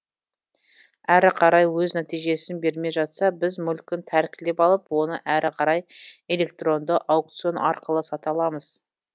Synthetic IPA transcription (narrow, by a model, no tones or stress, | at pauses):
æɾɪqʰɑɾɑjwɵznæt̪ijʒe̞sɪnbe̞ɾme̞ʒɑt̪sɑbɪzmʏlkʲɪnt̪ʰæɾkʲɪle̞pɑlˠəpwo̞nəʔæɾʔɪqʰɑɾɑje̞le̞kt̪ro̞nd̪əʔɑwk̚t̪sijo̞nʔɑ̰ɾqəlˠəsɑt̪ɑlˠɑməz̥